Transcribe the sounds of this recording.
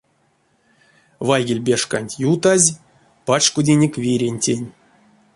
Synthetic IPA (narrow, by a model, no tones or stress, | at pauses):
vajɡʲelʲbʲeʂka̰nʲtʲjut̪azʲ | pat͡ʃkudʲenʲekʲvʲiɾʲenʲtʲenʲ